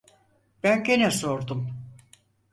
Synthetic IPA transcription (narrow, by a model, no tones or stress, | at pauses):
b̥ænɟenɛsoɾd̪um